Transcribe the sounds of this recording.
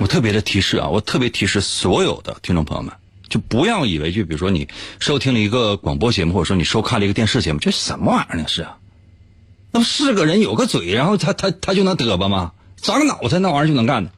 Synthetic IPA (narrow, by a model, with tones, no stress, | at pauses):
wɔ˨˩t̪ʰɤ˥˩p̬jɛ˧˥d̪ə˧t̪ʰi˧˥ʂɻ̩˥˩ɐ̰˨˩wɔ̰˨˩t̪ʰɤ˥˩pjɛ˧˥t̪ʰi˧˥ʂɻ̩˥˩swɔ˧˥jo˨˩ʊd̪ə̰˦t̪ʰi˥ŋʈ͡ʂʊ˥˩pʰj̰mə̰˦n | t͡ɕjo˥˩ʊpu˧˥jɑ˥˩ʊi˨˩we˧˥ɪt͡ɕjo˥˩pi˨˩ɻu˧˥ʂwɔ˥nḭ˨˩ʂo˥ʊt̪ʰi˥ŋlə˨i˧˥ɡə˧kwɑ̰˨˩ŋpwɔ˥t͡ɕjɛ˧˥mu˧xwɔ˥˩˨wɔ˥ni˨˩ʂo˥ʊkʰa˥˩nlə˩i˧˥˧jɛ˥˧nʂɻ̩˥˩t͡ɕjɛ˧˥mu˧t͡ɕjo˥˧ʊʂɻ̩˥˩ʂə˧˩˦nmə˧a˧˥ə˧˥ni˧˩˦ʂɻ̩˥˩ɐ˩ | na˥˩ʂɻ̩˥˩ɡə˩ɻə˧˥njo˨˩ʊɡə˥˧t͡swe˨˩ɪɻa˧˥nxo˥˩ʊt̪ʰa˥t̪ʰa˥t̪ʰa˥t͡ɕjʊn˧˥ŋt̪ɤ˧˥bə˧mɐ˨ | t͡sɑ˧˥ɡnɑ˨˩˦ʊ˩t͡sʰa˥˧na˥˩wt͡ɕjn˧˥ŋka˥˩nd̪ə˩